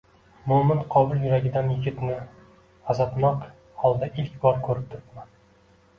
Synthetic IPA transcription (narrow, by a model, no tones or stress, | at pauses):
mʊmɪnqʰɒbʊlˠjʊɾaɡʲɪd̪anjɪɡʲɪt̪nɪ | azɒt̪mɒq | hɒlˠd̪aʔɪlkʲbɒɾkʲʰɵɾɪp̚t̪ʰʊɾɪt̪man